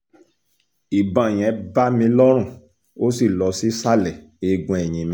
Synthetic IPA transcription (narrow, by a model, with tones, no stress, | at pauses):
i˨bã˨j̃ɛ̃˨˦ba˦mĩ˧lɔ˦ɾ̃ũ˦˨ | o˦si˦˨lɔ˨˧si˦sa˦˨lɛ˨e˧ɡũ˧˦ɛ˨j̃ĩ˧mĩ˧˦